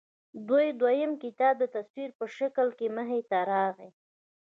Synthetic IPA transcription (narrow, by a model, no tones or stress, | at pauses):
d̪ujd̪wajəmkɪt̪ɑb̚d̪ət̪aswiɾpəʃakəlkeməɦet̪aɾɑɣe